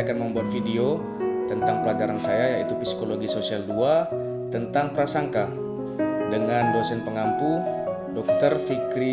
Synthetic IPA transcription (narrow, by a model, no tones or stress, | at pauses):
akanməmbuat̪̚fideo | t̪ənt̪aŋpəlad͡ʒaɾansajajait̪upisi̥koloɡisosialdua | t̪ənt̪aŋpəɾasaŋka | dəŋandosɛnpəŋampu | dɔk̚t̪ərfikɾi